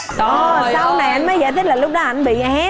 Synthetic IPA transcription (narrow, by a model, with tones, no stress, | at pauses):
ɔ˨˩ssa˧wna˨˩ʔa˧jnməː˨˦jɣa̰ː˧˨jt̪ʰi˦˥la˨˩lʊ˦˥k͡p̚ɗɔ˨˦ʔa˧˩jŋɓḭ˧˨ʔa˦